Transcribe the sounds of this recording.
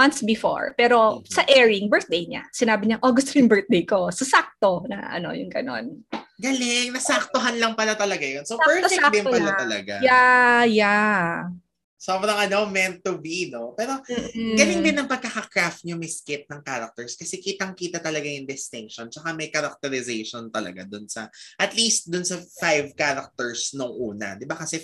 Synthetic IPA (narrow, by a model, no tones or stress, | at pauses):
mɐnsbɪfo̰ɹpɛːɾo̞sɐʔɛːɹɪŋbɛɹθ̚d̪ejɲa̰sɪnaːbɪɲaʔoɡʊst̪ojʊŋbɛɹt̪̚d̪ejko̞sɐsak̚t̪o̞nɐ̰ʔɐ̰no̞̰jʊŋɡɐ̰no̞̰nɡɐlɪŋnɐsak̚t̪oɦanlɐŋpɐlat̪ɐlɐɡajonsobɛoad̪ɪŋpɐlat̪ɐlɐ̰ɡajaja | so̞bɾɐŋɐno̞mɛnt̪ʊbino̞pɛːɾo̞ɡɐlɪŋd̪ɪnːɐŋpɐɡ̚kakɐkɾaft̪̚ɲʊmɐjskɪt̪̚nɐŋkaɾɐk̚t̪ɛɹskɐsɛkiːt̪ɐŋkiːt̪ɐt̪ɐlɐɡajʊŋd̪ɪst̪ɪŋkʃont͡ʃɐkamɐjkɐɾɐk̚t̪ɛɾɪzejʃont̪ɐlɐ̰ɡa̰d̪ʊnsɐʔɐt̪list̪̚d̪ʊnsɐfajvkaɾɐk̚t̪ɛɹsnʊŋʔuːnɐ̰d̪ɪbakɐsɛ